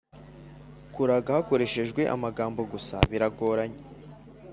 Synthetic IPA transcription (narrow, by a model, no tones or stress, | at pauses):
kuɾaɡahako̞ɾe̞ʃe̞ʒɡwe̞ʔa̰maɡaːmbo̞ɡusa̰βiɾaɡo̞ɾaɲe